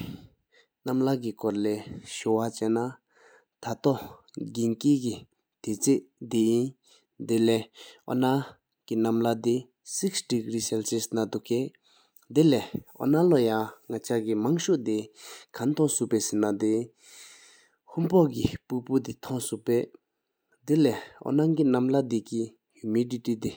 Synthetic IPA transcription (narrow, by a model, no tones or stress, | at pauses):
namlak̬ikɔɹlɛɕowat͡ɕɛna | t̪ʰat̪ɔɡinkiki | t̪et͡seʔd̪ejin | d̪elɛʔɔ̰na | kinamlad̪i | siksʈ͡ʂikɹisɛlsesnad̪uke | d̪elɛʔɔ̰nalɔjaŋat͡ɕʰakimaŋɕuʔd̪ekʰant̪ʰɔŋsupɛːsenad̪e | hʰumpɔk̬ipuput̪it̪ʰɔŋsuʔpɛː | d̪elɛʔɔ̰naŋkinamlad̪iki | humiditid̪e